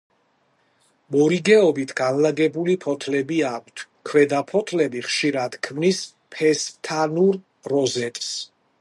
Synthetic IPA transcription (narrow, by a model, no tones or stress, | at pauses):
mɔɾiɡɛɔbit̪ʰɡ̥anlaɡɛbulipʰɔt̪ʰlɛbiak̚ʷʰt̪ʰ | kʰwɛd̪apʰɔt̪ʰlɛbiχʃiɾad̪̥kʰmnis | pʰɛst̪ʰanuɾ | ɾɔzɛt̪ʼs